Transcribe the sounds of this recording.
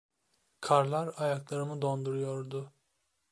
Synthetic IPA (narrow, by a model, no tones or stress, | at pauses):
kʰaɾlˠaɾajaklˠaɾɯmɯd̪o̞nd̪uɾujoɾd̪ʊ